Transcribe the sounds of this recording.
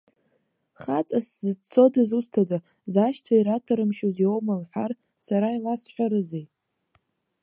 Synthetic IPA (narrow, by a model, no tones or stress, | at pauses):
χat͡sʼaszt͡sʰo̞dɨzustʰada | zaʃt͡sʷʰaiɾatʰaɾɨmʃoziowmalħʷar | saɾailasħʷaɾɨzej